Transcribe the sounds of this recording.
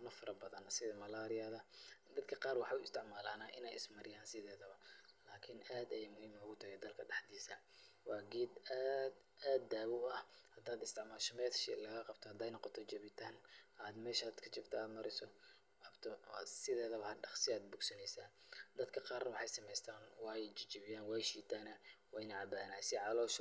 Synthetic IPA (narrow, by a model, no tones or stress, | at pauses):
nɐfɐɾɐbɐðɐnsɪðɐmɐlaːɾɪjɐðɐd̪ɐd̪kʰɐqɑːrwɑħɑʊɪst̪ʰɪʕmaːlaːnaːʔɪ̰nɛjɪ̰smɐɾɪjaːnsɪðɛːðɐβɐlaːkʰɪnʔaːd̪ɐjɛmʊhiːmʊɣʊt̪ʰɐɣɛd̪ɐlkʰɐɖɑħd̪iːsɐ | wɑːɡiːd̪aːd̪ | aːd̪ːaːβʊɐhhɐd̪aːd̪ɪst̪ʰɪʕmaːlʃɔmɛːt̪ʃɛ̰lɐɣɐqɑb̚t̪ʰɔhɐd̪ɛːjnɔqɔt̪ʰɔt͡ʃɐβɪt̪ʰaːnaːd̪mɛːʃad̪kʰɐt͡ʃɪbt̪ʰɐaːd̪mɐɾɪsɔ | ɐbt̪ʰɔsɪðɛːðɐβɐhaːd̪ɖɑχsɪaːd̪̚bʊɡsɐnɛjsaːnd̪ɐd̪kʰɐqɑːrnɐwɑħɑjsɐmɛjst̪ʰaːnwɑːjt͡ʃt͡ʃɐβɪjaːnwɑːjʃiːt̪ʰaːnɐwɑːjnɛʕɑbaːnaːjsɪʕɑlɔːʃ